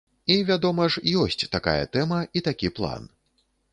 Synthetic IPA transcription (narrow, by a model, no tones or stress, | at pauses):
ivʲad̪ɔmɐʂjɔsʲt͡sʲt̪aka̰jɐ̰t̪ɛmɐit̪akʲiplˠa̰n